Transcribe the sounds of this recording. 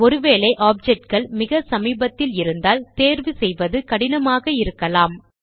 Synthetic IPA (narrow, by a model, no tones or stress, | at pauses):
ɔɾɯʋeːɭɐɪʔaːp̚d͡ʒɛʈ̚ɡɐɭmɪɣɐsɐmiːbɐt̪ːɪlɪɾɯnd̪aːlt̪eːɾʋɯsɛjʋɐðɯkɐɽɪnɐmaːɣɐɪɾɯkːɐlaːm